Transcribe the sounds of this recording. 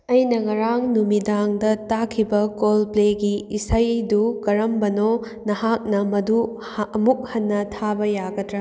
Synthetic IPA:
ɐjnɐŋɐɾaŋnumidaŋdɐtakʰibɐkolpleɡiisɐjdukɐɾɐmbɐno | nɐɦak̚nɐmɐdu | ɐmuk̚hɐnːɐtʰabɐjaɡɐdɾɐ

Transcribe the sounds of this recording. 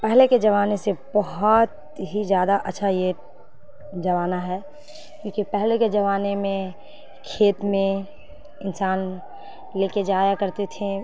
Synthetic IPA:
pɛɦleked͡ʒɐʋaːnesebɐɦʊt̪ | ɦizjaːd̪aʔətːʃʰaje | d͡ʒɐʋaːnaɦɛː | kjõːkipɛɦleked͡ʒɐʋaːnemẽ | kʰeːt̪mẽ | ɪnsaːn | leːked͡ʒaːjakɐɾt̪et̪ʰẽ

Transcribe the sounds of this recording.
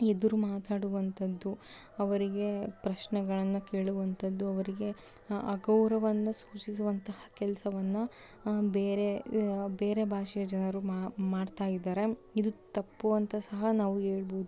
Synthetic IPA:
ed̪uɾumaːt̪aːɽuʋɐnt̪ʰɐd̪ːu | ɐʋɐɾiɡe̞pɾɐʃnɛɡɐɭɐnːɐkeːɭuʋɐnt̪ʰɐd̪ːuɐʋɐɾiɡe̞ | ɐɡɐwɾɐʋɐnːɐsuːt͡ʃisuʋɐnt̪ɐhɐ̥kɛlɐsɐʋɐnːɐ | beːɾe̞beːɾe̞bʱaːʂɛjɐd͡ʒɐnɐɾummaːɖt̪aːjid̪aːɾe̞id̪ut̪ɐpːuʋɐnt̪ɐsɐɦɐnaːʋuɦeːɭboːd̪u

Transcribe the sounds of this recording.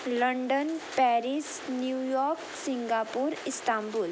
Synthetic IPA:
ləɳɖənpɛɾis | njujɔːɾk | sĩŋɡaːpuːɾɪst̪aːmbul

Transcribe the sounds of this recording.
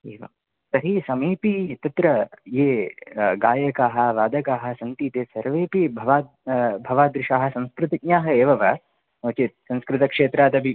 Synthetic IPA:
eːʋɐ̰ | sɐɦisɐmiːpit̪ɐt̪ɾɐjeːɡaːjɐkaːɦɐ̆ʋaːd̪ɐkaːɦɐ̆sɐnt̪iːt̪eːsɐɾʋeːpibʱɐʋaː | bʱɐʋaːd̪ɾɪʃaːɦɐ̆sɐ̃nskɾɪt̪ɐkɲaːɦɐeːʋɐʋɐ | noːt͡ʃit̪sɐ̃nskɾɪt̪ɐkʂeːt̪ɾaːd̪ɐbʱi

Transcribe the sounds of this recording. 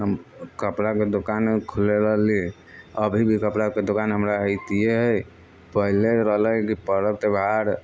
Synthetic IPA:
ɦəmkəpɾaked̪okankʰuleɾəɦli | əbʱibʱikəpɾaked̪okanɦəmɾaɦəɪt̪ieɦəj | pəɦileɾəɦləkipəɾət̪ebʱaɾ

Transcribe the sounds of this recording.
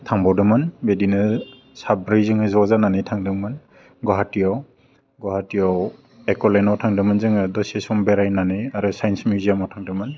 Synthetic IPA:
tʰaŋbɔwdɯmɯnbedinɯ | sabɾijzɯŋɯzɔzananɯjtʰaŋdɯŋmɯn | ɡɔɦatijaw | ɡɔɦatijaw | ekɔlenɔwtʰaŋdɯmɯnzɯŋɯdɔsesɔmbeɾajnanɯjaɾusajnsmuzijamɔwtʰaŋdɯmɯn

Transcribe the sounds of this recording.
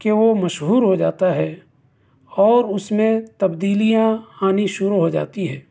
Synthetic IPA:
keʋomɐʃɦuːɾɦod͡ʒa̰ːt̪aɦɛː | ɔːɾʊsmẽt̪ɐbd̪iːlijãhaːniʃʊɾuɦod͡ʒa̰ːt̪iɦɛː

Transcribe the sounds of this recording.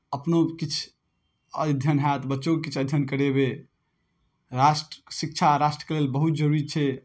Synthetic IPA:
əpnokit͡ʃʰ | əd̪ʱjənɦat̪bətːʃokkit͡ʃʰəd̪ʱjənkəɾebe | ɾasʈsik̚t͡ʃʰaɾasʈɾəkelelbəɦut̪̚d͡ʒəɾuɾit͡ʃʰɛ

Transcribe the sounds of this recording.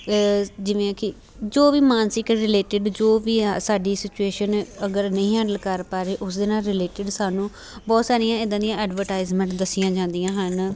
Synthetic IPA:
d͡ʒɪʋẽːkɪ | d͡ʒoːʋiːmaːnsɪkɾɪleːʈɪɖd͡ʒoːʋiːasaːɖiːsɪt͡ʃueːʃənəɡəɾnəĩːɦə̃ɳɖəlkəɾpaːɾeːʔʊsd̪eːnaːlɾɪleːʈɪɖsaːnũː | bɔːt̪saːɾijãːɪd̪ãːd̪ijãːɛːɖʋəɾʈaːɪzmə̃ɳʈd̪əsɪjãːd͡ʒãːnd̪ijãːɦən

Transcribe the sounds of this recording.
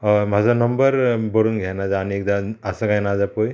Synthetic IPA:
mazanɔmbəɾbɔɾunɡʱajnazaːniek̚d̪aasaɡajnazapoj

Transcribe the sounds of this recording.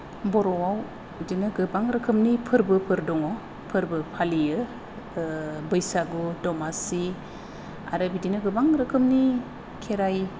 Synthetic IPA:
bɔɾɔwaw | dinɯɡɯbaŋɾɯkʰɯmnipʰɯɾbɯpʰɯɾdɔŋɔ | pʰɯɾbɯpʰalijɯ | bɯjsaɡudɔmasi | a̰ɾɯbidinɯɡɯbaŋɾɯkʰɯmni | kʰeɾaj

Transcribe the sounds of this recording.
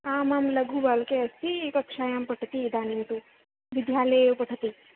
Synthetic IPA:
aːmaːmlɐɡuːbaːlkeɐst̪ikɐkʂaːjampɐʈʰɐt̪iːd̪aːnint̪u | ʋid̪ʱjaːleːpɐʈʰɐt̪i

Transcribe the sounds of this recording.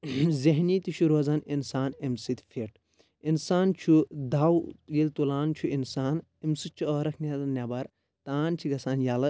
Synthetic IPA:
ziɦniːt̪iʃuɾoːzɐninsaːnimsit̪fʰeʈ | insaːnt͡ʃʰud̪aːwjelt̪ulaːnt͡ʃʰuinsaːn | imsit͡ʃʰuɐːɾɐkʰnʲaːzɐnːʲaːbɐɾ | t̪aːnt͡ʃʰiɡɐsaːnjaːlɐ

